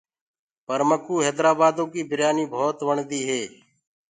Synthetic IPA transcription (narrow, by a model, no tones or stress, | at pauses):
pəɾməkuːɦeːd̪ɾaːbaːd̪õːkiːbʱɪɾjaːniːbʱoːt̪ʋəɳd̪iːɦeː